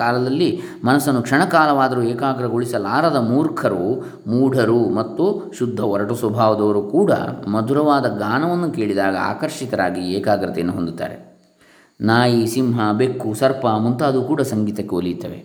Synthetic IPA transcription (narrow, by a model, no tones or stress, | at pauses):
aːlɐd̪ɐlːi | mɐnɐsɐnːukʂɐɳɐkaːlɐʋaːd̪ɐɾuɛːkaːɡɾɐɡoɭisɐlaːɾɐd̪ɐmuːɾkʰɐɾu | muːɖʱɐɾumɐt̪ːuʃud̪ʱːɐɔɾɐʈɐsʋɐbʱaːʋɐd̪ɐʋɐɾukuːɽɐ̰mɐd̪ʱuɾɐʋaːd̪ɐɡaːnɐʋɐnːukeːɭid̪aːɡɐa̰ːkɐɾʂit̪ɐɾaːɡiɛːkaːɡɾɐt̪ɛjɐnːuɦond̪ut̪ːa̰ːɾe | naːjisimɦɐbekːusɐɾpɐmunt̪aːd̪ukuːɽɐsɐŋɡiːt̪ɐkːeolːit̪ːɐ̰ʋḛ